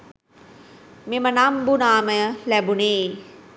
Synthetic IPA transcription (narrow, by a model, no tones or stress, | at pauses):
memɐnambunaːmɐjɐlɛbuneː